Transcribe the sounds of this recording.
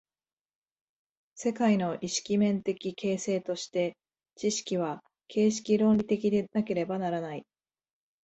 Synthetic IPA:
se̞kaino̞ʔiɕi̥kʲimẽ̞nt̪e̞kʲikʰe̞ːse̞ːt̪o̞ɕi̥t̪e̞ | t͡ɕiɕi̥kʲiβ̞a | kʰe̞ːɕi̥kʲiɾõnɾʲit̪e̞kʲid̪e̞nake̞ɾe̞banaɾanai

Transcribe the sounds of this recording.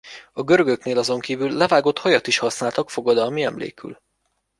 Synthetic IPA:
ɒɡø̞ɾøɡøkneːlɒzo̞ŋkiːvylːɛvaːɡo̞t̪hɒjɒt̪iʃhɒsnaːlt̪ɒkfo̞ɡɒd̪ɒlmiɛmlḛːky̰l

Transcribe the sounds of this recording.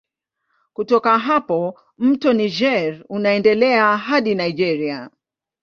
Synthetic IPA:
kutɔkaɦapɔ | m̩tɔnid͡ʒɛɾunaɛndɛlɛaɦaɗinaid͡ʒɛɾia

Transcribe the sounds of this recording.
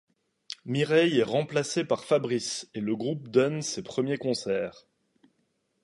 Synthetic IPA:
miʁɛjɛʁɑ̃plasepaʁfabʁiseləɡʁup̚d̪ɔnsepχəmjekɔ̃sɛːʁ

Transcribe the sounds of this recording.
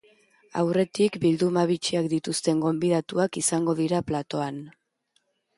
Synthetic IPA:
a̰wre̞t̪ikbild̪umaβit͡ʃiak̚d̪it̪ust̪e̞ŋɡo̞mbiðat̪uakisaŋɡo̞ð̞iɾaplat̪o̞an

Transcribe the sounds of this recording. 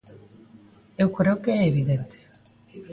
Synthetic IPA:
ewkoɾewkeːβiðent̪e̥

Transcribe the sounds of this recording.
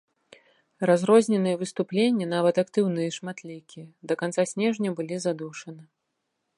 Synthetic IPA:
ɾazɾɔzʲnʲɛnɨjɛvɨst̪uplʲenʲːɐn̪avɐt̪akt̪ɨwnɨjɛʂmat̪lʲikʲijɛd̪ɐkant̪sasʲnʲɛʐnʲɐbɨlʲizad̪uʂɐnɨ

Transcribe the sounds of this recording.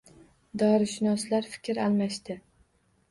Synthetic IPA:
d̪ɒɾɪʃɪnɒslaɾfɪ̥kʲɾalˠmaʃt̪ɪ

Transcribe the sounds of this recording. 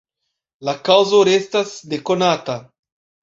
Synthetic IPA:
lakawzoɾest̪azd̪ekonat̪a

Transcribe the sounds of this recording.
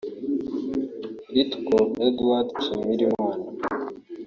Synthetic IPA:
it̪koed̪wat̪sumiɾiman

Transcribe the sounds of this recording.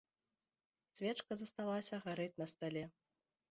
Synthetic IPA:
sʲvʲɛt͡ʂkɐzɐst̪alˠasʲɐɣaɾɨt͡sʲnɐst̪alʲɛ

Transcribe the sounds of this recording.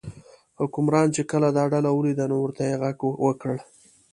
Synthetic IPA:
hʊkʊmɾɑnt͡ʃekəlad̪ɑɖalawəlid̪anowəɾt̪ajeɣaɡwəkəɽ

